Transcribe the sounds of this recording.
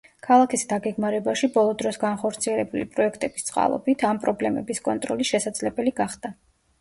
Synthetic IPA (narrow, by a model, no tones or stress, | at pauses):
kʰalˠakʰisd̪aɡɛɡmaɾɛbaʃibɔlˠɔd̪ɾɔsɡanχɔɾt̪sʰiɛlɛbulipʼɾɔɛkʰt̪ʼɛb̥ist̪sʼqʼa̰lˠɔ̰bit̪ʰampʼɾɔblɛmɛ̰biskʼɔnt̪ʼɾɔlisʃɛsad̪z̥lɛbɛliɡaχd̪a